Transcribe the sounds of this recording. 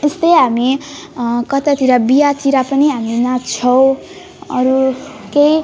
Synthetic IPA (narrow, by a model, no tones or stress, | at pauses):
est̪ʌjɦami | kʌt̪at̪ʰiɾabijat̪ʰiɾapʌniɦaminat͡sʰʌw̃ | ʌɾukej